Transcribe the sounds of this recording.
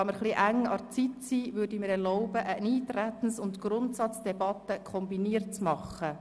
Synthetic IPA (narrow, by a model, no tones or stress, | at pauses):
ɑməɾχliʔæŋɑ̰t͡sitsiːʋʏrdimɪɾɛrlɔʊbəʔəniːtɾæt̪ən̩sʊntɡ̥rʊntsɑt͡sd̥ɛbɑt̪əkʰɔmbiniət̚t͡smɑχə